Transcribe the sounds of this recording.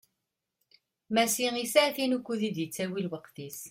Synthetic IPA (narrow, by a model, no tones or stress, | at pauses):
mæsiʁisaʕθinukʷːuðid̪jət͡sːæwilwəqθis